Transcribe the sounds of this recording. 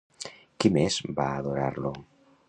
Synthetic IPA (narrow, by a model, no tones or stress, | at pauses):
kimezbaːðoɾa̰ɾlo